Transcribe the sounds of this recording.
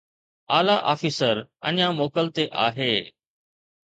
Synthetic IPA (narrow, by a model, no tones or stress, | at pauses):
aːlaʔaːfisəɾə̰ɲãmoːkəlt̪eʔa̰ːɦeː